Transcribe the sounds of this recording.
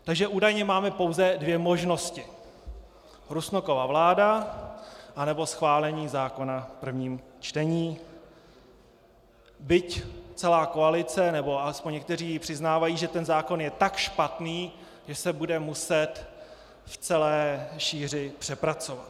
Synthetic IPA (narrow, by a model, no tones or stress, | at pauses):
t̪aɡʒɛʔuːdajɲɛmaːmɛpo̞wzɛdvjɛmo̞ʒno̞scɪ | ɾusnoko̞vaːvlaːda | ʔanɛbo̞sxvaːlɛɲiːzaːko̞napr̩vɲiːmt͡ʃt̪ɛɲiː | bɪct͡sɛlaːko̞alɪt͡sɛnɛbo̞alɛspoɲɲːɛk̚t̪ɛriːpr̥ɪznaːvajiːʒɛt̪ɛnzaːko̞njɛt̪akʃpat̪niː | ʒɛsɛbudɛmusɛt̪ | ft͡sɛlɛːʃiːr̝ɪpr̝̥ɛpɾat͡so̞vat̪̚